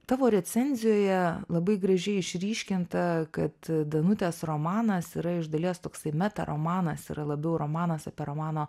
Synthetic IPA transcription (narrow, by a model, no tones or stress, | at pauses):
t̪ɑːʋoːɾʲɛsʲɛnʲzʲɪjoːjɛlˠɐbɐɪɡɾɐʒʲɛɪɪʃʲɾʲiːʃʲkʲɪnt̪ɐkɐt̪d̪ɐnʊt̪ʲeːsroːmɑːnɐsiɾɐɪʒd̪ɐlʲiːst̪oːksɐɪmʲɛt̪ɐ̰ɾʔo̰ːmɑːnɐsḭːɾɐlˠɐbʲɛʊɾoːmɑːnɐsɐpʲiɛɾoːmɑːnoː